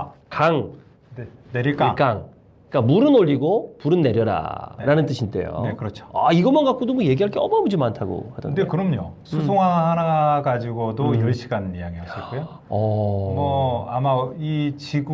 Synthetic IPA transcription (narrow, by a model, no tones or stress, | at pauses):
kaŋ | eneɾiɭk͈ak͈aŋ | k͈amuɾɯnoʎːiɡopuɾɯnːe̞ɾjʌɾa̰ɾanɯnt͈ɯɕʰint͈e̞̰jo̰ekɯɾʌt͡ɕʰo̥a̰iɡʌmʌnɡak͈ʰodomʌje̞ɡiɦaɭk͈ʰeʌ̰mʌbud͡ʑimantʰaɡo̰hadʌndekɯɾʌmɲosʰusʰoŋɦaɦanaɡad͡ʑiɡodojʌɭɕʰi̥ɡannijaŋiaɕ͈iɭ͈ojo | ʌmʌamait͡ɕiɡ